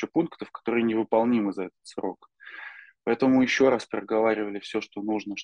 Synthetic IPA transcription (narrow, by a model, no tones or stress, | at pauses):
ɪpunkt̪əfkɐ̥t̪o̞ɾɨjənʲɪvɨpɐlˠnʲimɨzɐɛt̪ə̥t̪sro̞̰k | pɐɛt̪əmʊjɪɕːo̞ɾaspɾʲɪəɡɐvaɾʲɪvəlʲɪfsʲoʂt̪o̞nuʐnəʂ